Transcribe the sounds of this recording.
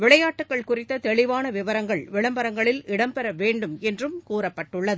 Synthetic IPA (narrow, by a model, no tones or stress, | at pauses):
ʋɪɭɐjaːʈːɯkːɐɭkʊrɪt̪ːɐt̪ɛɭɪʋaːnɐʋɪʋɐɾɐŋɡɐɭʋɪɭɐmbɐɾɐŋɡɐɭɪlɪɽɐmpɛɾɐʋeːɳɖɯmɛndrɯmkuːɾɐpːɐʈːɯɭːɐðɯ